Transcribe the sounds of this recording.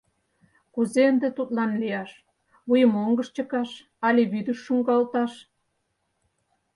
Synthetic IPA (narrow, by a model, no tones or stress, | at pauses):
kuzeənd̪et̪ut̪̚lɑnlijɑʃ | βujəmoŋɡə̆ʃt͡ɕə̆kɑʃ | ɑlʲiβyd̪əʃːuŋɡɑlt̪ɑʃ